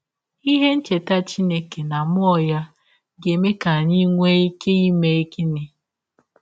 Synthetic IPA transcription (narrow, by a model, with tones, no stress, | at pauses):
i˦ɦe˦n̩˦t͡ʃe˨ta˦t͡ʃi˦ne˦ke˨na˨m˦ɔ˦˨ja˦ | ɡe˨me˦ka˨ɲi˦ŋʷe˦e˦ke˦i˦me˦e˦ke˦ne˨